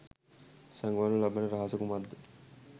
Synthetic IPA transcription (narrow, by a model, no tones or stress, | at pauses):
sɐŋɡʋaːnulɐbɐnəɾaɦɐsɐkumad̪ʱː